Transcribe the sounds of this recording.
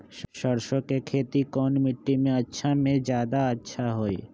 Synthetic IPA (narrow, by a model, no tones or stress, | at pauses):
ʃəɾʃõkekʰeːt̪ikɔːnmɪʈːimẽɐtːʃʰamẽd͡ʒjaːd̪aətːʃʰaɦoːiː